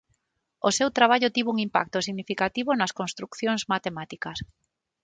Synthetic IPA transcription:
osewt̪ɾaβ̞aʎʊt̪iβuŋimpa̰k̚t̪ʊsiɣnifikat̪iβonɐskonst̪ɾukθjoŋzmat̪emat̪ikɐs

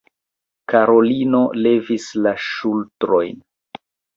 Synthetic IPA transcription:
kaɾo̞lino̞le̞vislaʃultɾo̞jn

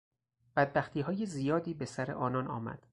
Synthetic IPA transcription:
b̥æd̪̚bæxt̪ʰiːɦɒːjezijɒːd̪iːbe̞sæɾe̞̰ʔɒːnɒnɒ̰ːmæ̰d̪̥

